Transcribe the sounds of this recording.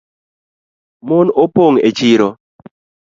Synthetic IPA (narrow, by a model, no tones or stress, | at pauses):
mʊnopoŋet͡ʃɪɾɔ